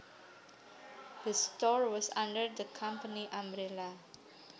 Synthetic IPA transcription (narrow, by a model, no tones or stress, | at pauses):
d̥əstɔɹwɔsã̰ndəɹdəkʰãmpəniʔãmɾela